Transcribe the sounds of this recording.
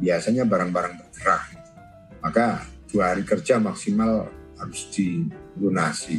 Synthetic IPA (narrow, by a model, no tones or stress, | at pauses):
biasaɲabaɾaŋbaɾaŋbərɡəɾak̚it̪u̥ | makad̥uahaɾikərd͡ʒamaksimalhaɾʊsdiɡunasi